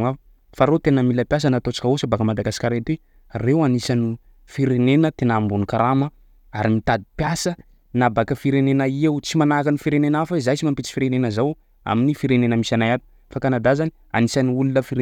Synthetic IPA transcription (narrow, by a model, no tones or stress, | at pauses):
a | faɾot̪enəmiləpjas̬ənat̪ot͡sḁkʲəosəbakəmad̪aɡasi̥kʲaɾet̪e | rewanisani | fiɾenenət̪enambunikaɾamə | aɾimit̪ad̪i̥pjasə | nabakəfiɾenenaiewt͡simanakanifiɾenenafəizajt͡simampet͡si̥fiɾenenəzaw | a̰minifiɾenenəmisanajat̪i̥ | fakanad̪azani | a̰nisaniulunəfiɾ